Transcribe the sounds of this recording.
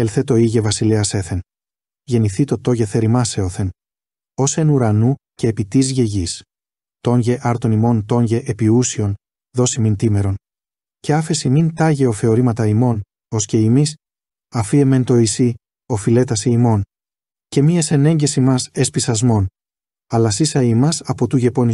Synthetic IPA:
elθe̞t̪o̞iʝe̞vɐsileɐse̞θe̞n | ʝe̞niθit̪o̞t̪o̞ʝe̞θe̞ɾimɐse̞oθe̞n | o̞senuɾɐnuce̞ːpit̪izʝe̞ʝis | t̪o̞ɲʝe̞ʔɐɾt̪o̞nimo̞nt̪o̞ɲʝe̞ʔepiusio̞n | ðo̞simint̪ime̞ɾo̞n | ce̞ɐfe̞simint̪ɐʝe̞ofe̞o̞ɾimɐt̪ɐimo̞n | o̞sce̞imis | ɐfie̞me̞nt̪o̞isi | o̞file̞t̪ɐsiimo̞n | ce̞miese̞ne̞ɲɟe̞simɐse̞spisɐzmo̞n | ɐlɐsisɐimɐsɐpo̞t̪uʝe̞po̞ni

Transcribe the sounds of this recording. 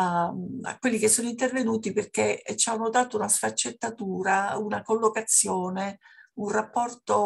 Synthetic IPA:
a̰kwelːikesːoːnoint̪ervenuːt̪iperk̟et͡ʃːanːod̪aːt̪ounasfat͡ʃːet̪ːat̪uːɾaunakolːokat̪sːjoːneunrapːɔrt̪o

